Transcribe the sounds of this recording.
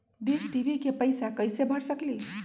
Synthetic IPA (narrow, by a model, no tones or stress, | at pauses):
d̪id͡ʒʈiʋikepəjsakəjsebʱəɾsəkli